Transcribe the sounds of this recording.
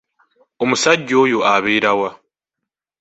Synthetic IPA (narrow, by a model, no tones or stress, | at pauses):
omusaɟːo̞ːjoaβeːɾawa